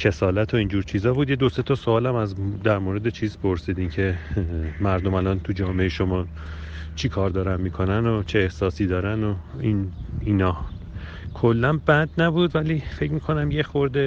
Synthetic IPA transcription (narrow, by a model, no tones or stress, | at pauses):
cʰe̞sɒːlæt̪ʰo̞iːnd͡ʒuːɾt͡ʃʰiːzɒːbuːd̪jed̪oset̪ʰɒsoɒːlæmæzd̪æɾmoɾe̞d̪et͡ʃʰiːzpʰo̞ɾsiːd̪imcʰe̞ | mæɾd̪omælɒnt̪ʰud͡ʒɒːmeeʃo̞mɒː | t͡ʃʰikʰɒːɾd̪ɒːɾænmiːkʰo̞nænot͡ʃʰeːhsɒːsiːd̪ɒːɾænoininɒː | kʰolːænbæd̪næbud̪væliːfe̞cmiːkʰo̞næmjexoɾd̪e